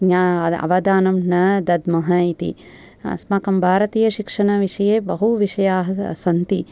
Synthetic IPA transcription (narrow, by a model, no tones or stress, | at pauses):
ɲaːɐ̰ʋɐd̪aːnɐmnɐd̪ɐd̪mɐɦɐit̪ḭ | ɐ̰smaːkɐmbʱaːɾɐt̪iːjɐʃikʂɐɳɐʋiʂɐjeːbɐɦuʋiʂɐjaːɦɐ̰sɐnt̪i